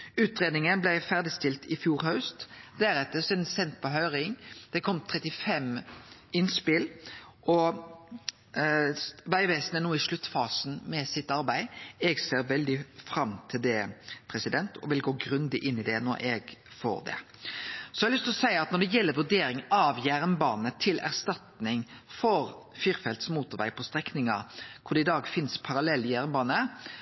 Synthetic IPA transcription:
ʉːt̪ɾeːd̪nɪŋənblæɪfæʁd̪ɪst̪ɪlt̪ɪfjuːɾhɑʉst̪d̪æɾɛt̪ːəsiːd̪n̩sɛnt̪̚pʰɔɦœʏɾɪŋd̪̥ɛkʰɔmːt̪ʰʁɛt̪ɪfɛmɪnspɪl | ʔɔ | ʋæɪʋeːsnænuːɪʂlʉt̪ːfɑːsn̩mɛsɪt̪ɑɾbæɪɛɡseːɾʋɛld̪ɪfɾɑmt̪ʰɪld̪ɛpʰɾɛsɪd̪ɛnt̪ʰɔ̰ʋɪlɡoːɡɾʉnd̪ɪʔɪnːɪd̪ɛnɔ̰ɾʔɛɡfo̰ːɾd̪ɛ̰ | sɔɛɑɾlʏst̪lɔsæɪɑt̪̚nɔɖ̪ɛjɛlːəɾʋʉɖ̪eːɾɪŋɑʋjæɾnbɑːnət̪ʰɪlæ̰ʁst̪ɑt̪nɪŋfɔɾ | fiːɾfɛlt̪smuːt̪ʊɾʋæ̰ɪpʰɔst̪ɾɛknɪŋɑɾkʰʊɖ̪ɛɪd̪ɑːɡfɪnspʰɑɾɑlɛlːɪjæɾnbɑːnə

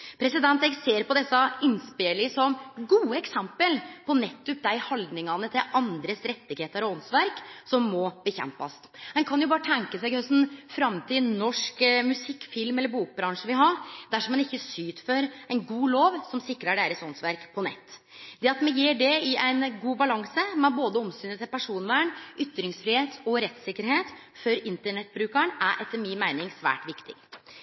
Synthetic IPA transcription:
pʰɾɛsɪd̪ɛnt̪ɛɡseːɾpʰɔd̪ɛsːɑɪnspeːlɪsɔmɡuːəɛksɛmpəlpʰɔnɛt̪ːʉp̚d̪æɪhɑld̪nɪŋɑnət̪ʰɪlɑnd̪ɾəsɾɛt̪ːɪɡheːt̪əɾɔɔnsʋæɾksɔmːɔb̥əçɛ̰mpɑ̰s | mɛnkʰɑnjʊbɑːɾət̪ʰɛŋkəsɛɪɡhœsn̩fɾɑmt̪ʰɪnɔʂkmʉsɪkːfɪlmɛlːəɾbuːk̚bɾɑŋʂəʋɪɦɑɾd̪æʂɔmːɛnɪçːəsyːt̪fɔɾæɪnɡuːloːʋsɔmsɪkːɾəɖæɪɾəsɔnsʋæɾkpʰɔnɛ̰t̪ː | d̪ɛɑt̪mɛnjiːɖɛɪʔæɪnɡuːbɑlɑŋsəmɛboːd̪əɔmst̪yːnət̪ʰɛpʰæʂuːnʋæːɳʔʏt̪ːɾɪŋsfɾɪheːt̪ɔɾɛt̪sɪkːəɾɦeːt̪ | fœɾɪnt̪əɳɛt̪ːbɾʉːkəɳæɾʔɛt̪ʰːəɾmɪnmæɪnɪŋsʋæ̰ːʈʋɪkt̪ɪ̰ɡ

